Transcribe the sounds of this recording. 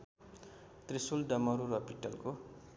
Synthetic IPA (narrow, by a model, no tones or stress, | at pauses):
t̪risulɖʌmʌɾuɾʌpiʈʌlko